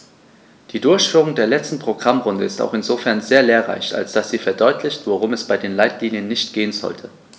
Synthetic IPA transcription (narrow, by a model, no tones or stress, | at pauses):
d̥iːdʊɐçfyːʁʊŋdeːɐlɛt͡stn̩pʁ̥oɡ̥ʁamʁʊndəɪsta̰ʊxɪnzoːfɛɐnzeːɐleːɐʁa̰ɪça̰lsd̥asz̥iːfɛɐdɔʏtʰlɪçtv̥oʁʊmɛsb̥aɪdeːnlaɪtliːnjənːɪçtɡ̥eːənzɔ̰ltʰə